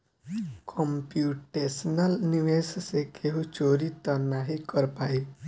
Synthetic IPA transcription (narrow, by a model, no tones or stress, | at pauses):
kʰɔmpjuːʈesnəlniʋeːssekʰeɦũt͡ʃoːɾit̪ɔnaɦikəɾpaːi